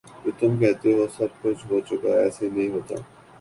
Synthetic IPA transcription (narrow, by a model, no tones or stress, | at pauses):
d͡ʒot̪ʊmk̬ɛɦt̪eɦosɐb̚kʊt͡ʃʰɦoːt͡ʃʊkaɛːselɐĩɦoːt̪a̰ː